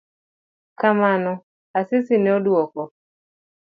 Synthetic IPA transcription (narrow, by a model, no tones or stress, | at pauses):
kamanɔ | asɪsɪnɛodwɔkɔ